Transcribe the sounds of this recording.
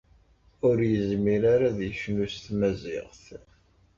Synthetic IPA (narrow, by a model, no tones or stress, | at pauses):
ʊɾjəzmiɾaɾaðjəʃnust̪mæzɪ̰ʁθ